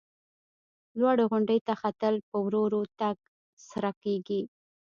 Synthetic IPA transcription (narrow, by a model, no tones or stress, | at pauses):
lwɑɽaɣʊɳɖəjt̪axat̪əlpəwɾoɾot̪aɡ | saɾakeɡi